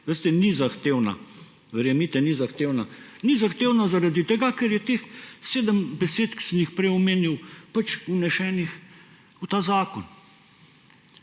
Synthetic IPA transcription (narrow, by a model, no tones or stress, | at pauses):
ʋest̪ɛnizaxt̪eːwna̰ | ʋɛɾjɛmit̪ɛnizaxt̪eːwnanizaxt̪eːwnazaɾad̪it̪ɛɡakɛɾjɛt̪eːxseːd̪əmbɛseːt̪ki̥sənjixpɾɛjɔmeːniwpat͡ʃunɛʃɛːnix | ut̪aːzaːkɔn